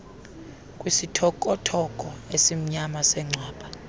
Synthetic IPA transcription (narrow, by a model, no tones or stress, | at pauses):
kʼwisitʰɔkʼɔtʰɔkʼɔesim̩ɲamasɛŋ͡ǀʱwaːɓa